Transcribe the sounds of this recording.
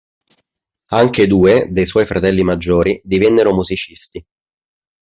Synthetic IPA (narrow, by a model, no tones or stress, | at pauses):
aŋked̪uːed̪ejswɔjfɾʔat̪ɛlːimad͡ʒːoːɾid̪ivɛnːeɾomuzit͡ʃist̪i